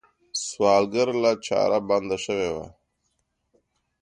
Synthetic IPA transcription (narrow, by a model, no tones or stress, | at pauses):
swɑːlɡəɾlat͡ʃa̰ːɾaband̪aʃəwewa̰